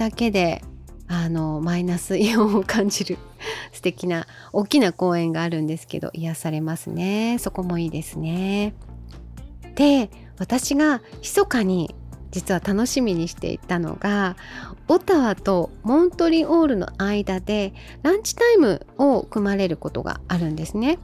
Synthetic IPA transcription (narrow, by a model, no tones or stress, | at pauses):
d̪̥ake̞d̪e̞ano̞mainasɨiõokʰãɲ̟d͡ʑiɾɯ̟sɨ̥t̪e̞kʲina | oːkʲinako̞ːẽ̞ŋɡaːɾɯ̟̃nd̪e̞sɨ̥ke̞̰d̪o̰ʔijasaɾe̞masɨne̞so̞ko̞mo̞iːd̪e̞sɨne̞ | d̪̥e̞ | βat̪aɕiɡaçi̥so̞kaɲ̟id͡ʑit͡sɨβat̪ano̞ɕimʲiɲ̟iɕi̥t̪e̞̰ḭt̪ano̞̰ɡa | ot̪aβat̪o̞mõ̞nt̪o̞ɾʲiʔoːɾɯ̟no̞̰aid̪ad̪e̞ | ɾãɲ̟t͡ɕi̥t̪aimɯ̟̰o̞ɯkɯ̟maɾe̞ɾɯ̟ko̞t̪o̞̰ɡa̰ːɾɯ̟̃nd̪e̞sɨne̞